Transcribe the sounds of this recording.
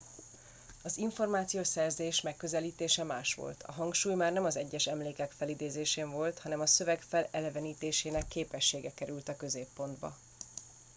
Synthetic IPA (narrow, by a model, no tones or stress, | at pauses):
ɒziɱfo̞rmaːt̪sijoːsɛrzeːʃmɛkːø̞zɛliːt̪eːʃɛmaːʃʋo̞̰lt̪ʰɒ̰ɦɒŋkʃuːjmaːrnɛmɒzɛɟːɛʃɛmleːkɛkfɛlid̪eːzeːʃeːɱvo̞lt̪hɒnɛmɒsø̞vɛɡfɛlɛlɛvɛniːt̪eːʃeːnɛkːeːpɛʃːeːɡɛkɛɾylt̪ɒkø̞zeːpːo̞nd̪bɒ̰